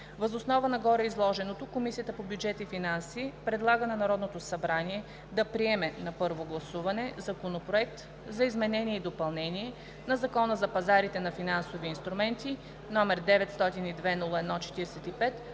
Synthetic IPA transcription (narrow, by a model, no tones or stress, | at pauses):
vɐzosnɔvənɐɡɔɾɛizlˠɔʒɛnot̪okomisiət̪əpobjud͡ʒɛt̪ifinansipɾɛd̪lˠaɡənɐnɐɾɔd̪not̪osɐbɾaniɛ | d̪ɐpɾiɛmɛnɐpɤɾvoɡlˠɐsuvɐnɛzɐkonopɾoɛk̚t̪ | zɐizmɛnɛniɛid̪opɐlˠnɛniɛ | nɐzɐkɔnəzɐpɐzaɾit̪ɛnɐfinansoviːnst̪ɾumɛnt̪i | nɔmɛɾd̪ɛvɛt̪st̪ɔt̪inid̪vɛdnulˠəɛd̪nɔt͡ʃɛ̥t̪iɾɛsɛt̪ipɛt̪